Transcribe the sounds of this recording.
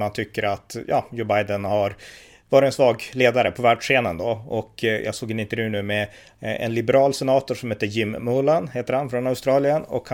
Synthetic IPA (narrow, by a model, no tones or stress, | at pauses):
mant̪ʰʏkːəɾat̪jɑ̰ːjuːbajd̪ənhaɾ | vɑːɾɪɛnsvɑːɡleːd̪aɾəpʰɔvæːɖʂeːnənd̪ɔɔkjʔɑ̰ːsoːɡɪnɪnt̪ɛɾjʉːnʉ̟ːmɛ | ɛ̰nlɪbɛɾɑːlsɛnɑːt̪ʊʂɔmheːt̪ːəjɪmːʊlanheːt̪əɾhanfɾɔnaʊst̪ɾɑːlɪənɔ̰kh